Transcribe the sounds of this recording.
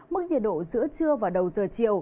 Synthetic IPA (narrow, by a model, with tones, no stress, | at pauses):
mɨ˦˥k̚ɲḭə̰˧˨˩t̚ɗo̰˧˨zɨ̰˧˥ət͡ɕɨ˧əvaː˨˩ɗə˨˩wzəː˨˩t͡ɕi˨əw